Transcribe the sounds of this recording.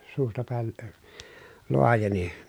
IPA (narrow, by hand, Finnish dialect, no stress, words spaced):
suːstɑ pæˑel lə loɑjeni